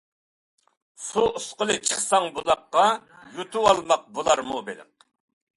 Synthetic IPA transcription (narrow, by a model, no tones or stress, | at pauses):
suusqəlˠɨt͡ʃʰəχsɑŋbolˠɑqːɑ | jut̪ʰuɑlˠmɑq̚bolˠɑɾmubelɪ̰m